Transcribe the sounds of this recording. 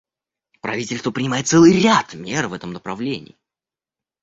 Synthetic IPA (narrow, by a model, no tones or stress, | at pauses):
pɾɐ̰vʲitʲɪlʲst̪vəpɾʲɪnʲɪmajɪt̪t̪sɛlˠɨjɾʲat̪mʲervɛt̪əmnəpɾɐvlʲenʲɪ̰ː